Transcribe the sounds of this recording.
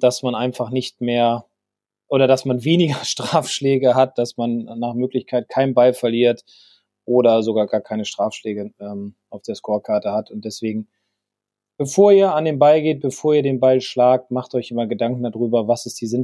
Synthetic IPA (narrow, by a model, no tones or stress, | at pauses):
d̥asmanʔaɪnfaχnɪçtmeːɐ | ʔoːɾɐdasmanveːnɪɡɐʃtʁ̥aːfʃlɛːɡəɦat̚d̥asmanːaːχmøːklɪçkʰaɪt̚kʰaɪnənbalfɛɐliːɐt | ʔoːɾɐzoɡaːɐɡaːɐkʰaɪnəʃtʁ̥aːfʃlɛːɡəʔɛːmʔaʊfd̥eːɐʃkoːɐkʰaɐtəhatʊnt̚d̥ɛsv̥eːɡŋ̩ | b̥əfoːɐiːɐandeːmbalɡeːt̚b̥əfoːɐiːɐdeːnbalʃlaːk̚tmaχtʔɔʏçʔɪmɐɡədaŋk̩̚dadʁyːbɐvasɪstd̥iːzɪn